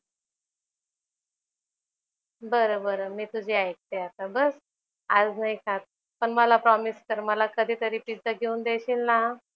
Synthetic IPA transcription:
bəɾobəɾəmiːt̪ud͡ʑʱiːajek̚t̪eat̪abəs | ad͡znaikʰat̪̚ | pəɳməlapɾɔmiskəɾməlakəd̪ʱiːt̪əɾiːpid͡z̪əɡʱeund̪eɕiːlna

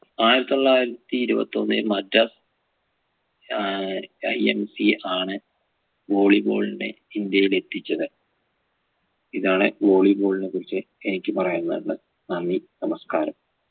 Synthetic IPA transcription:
aːjiɾɐt̪ːioɭːaːjiɾɐt̪ːiːɾubɐ̰t̪ːonːɨmɐdɐs | ɐjḛmsiaːɳɨ | ʋo̞ːɭibo̰ːɭinɨ | ind̪jɐjile̞t̪ːit͡ɕːɐðɨ | iðaːɳɨʋo̞ːɭibo̞ːɭinekuɾit͡ɕːɨ | enikʲːɨpɐrɐjunːɐuɭːɐ̰ | nɐnːinɐmɐskaːɾɐm

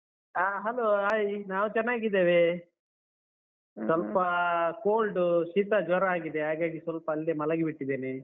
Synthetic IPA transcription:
aːɦɐloːaːjinaːʋut͡ʃɛnːaːɡid̪eːʋe | sʋɐlpɐkoːlɖuʃiːt̪ɐd͡ʒɐɾɐaːɡid̪eɦaːɡaːɡisʋɐlpɐːlːimɐlɐɡibiʈːid̪ːeːne

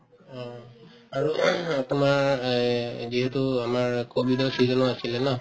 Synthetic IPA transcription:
ɔ̃ | aɹutumaɹ | ziɦetuamaɹkobidɔsizɔnɔasilɛna

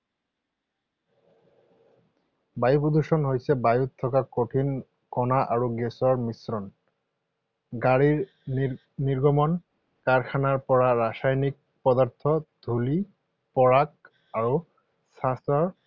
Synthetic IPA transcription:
bajupod̪uʃɔnɦojsʰɛbajut̪ʰːɔkakoʈʰin | kɔnaʔaɹuɡesɔɹmisɾɔn | ɡaɹiɹ | niɾɡɔmɔn | kaɹkʰanaɹpɔɹaɾasajnik̚ | pɔd̪aɾt̪ʰɔd̪ʱuli | pɔɹak̚ | aɹu | sast̪ɔɹ

